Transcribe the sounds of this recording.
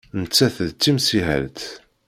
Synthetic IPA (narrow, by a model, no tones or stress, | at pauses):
nət͡sːæθðt͡sːimsiɦæ̰lt̪